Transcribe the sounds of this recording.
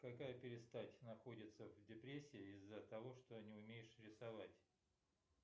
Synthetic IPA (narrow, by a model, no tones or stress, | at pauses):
kɐkajəpʲɪɾʲɪst̪atʲnɐxo̞dʲɪt̪səvdʲɪpɾʲesʲːɪːizːət̪ɐvo̞ʂt̪onʲɪʊmʲejɪʂɾʲɪsɐvatʲ